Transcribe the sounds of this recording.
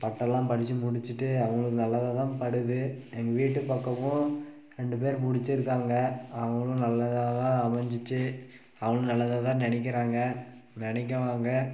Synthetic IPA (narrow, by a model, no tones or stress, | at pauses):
pɐʈːɐlːãːpɐɽɪt͡ʃːɯmʊɽɪt͡ʃːɯʈːɯɐʋɐŋɡɐɭɯkːɯnɐlːɐðaðãːpɐɽɯðɯɛŋɡɐʋiːʈːɯpɐkːɐʋʊ̃ | ɾɛɳɖɯpeːɾmʊɽɪt͡ʃːɪɾɯkːaːŋɡɐɐʋɐŋɡɐɭʊ̃nɐlːɐðat̪ãːɐmɐɲd͡ʒɪt͡ʃːɯ | ɐʋɐŋɡɐɭʊ̃nɐlːɐðat̪ãːnɐnɪk̬ːɪɾaːŋɡɐnɛnɛk̬ːɐʋaːŋɡɐ